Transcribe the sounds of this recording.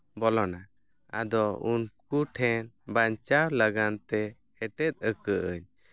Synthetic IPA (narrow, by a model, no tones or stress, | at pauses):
bɔlɔna | a̰d̪ɔunkuʈʰɛnbaɲt͡ʃawlaɡant̪ɛ | hɛʈɛt̪̚ˀəkəʔəɲ